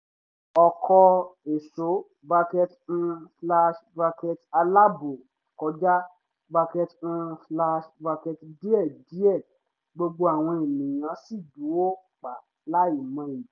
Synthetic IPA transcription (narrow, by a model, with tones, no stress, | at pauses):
ɔ˨kʰɔ˧e˨so˨˦ | ba˧kɛ˧t̩˧˦fla˧ʃba˧kɛ˧ta˧la˦bo˨ | kɔ˧d͡ʒa˦ | ba˧kɛ˧t̩˦fla˧ʃba˧kɛ˧tdi˦ɛ˦˨di˦ɛ˦˨ | ɡ͡bo˧ɡ͡bo˧a˨w̃ɔ̃˧e˨mĩ˨j̃ã˨˦si˦˨du˨˦o˦ | k͡pa˨ | la˦i˦˨mã˧˦i˨